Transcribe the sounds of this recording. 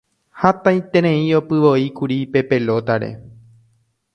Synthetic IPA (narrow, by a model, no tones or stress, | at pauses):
hat̪ãjt̪ẽɾ̃ẽĩo̞pɨʋo̞ikuɾipe̞pe̞lo̞t̪aɾe̞̰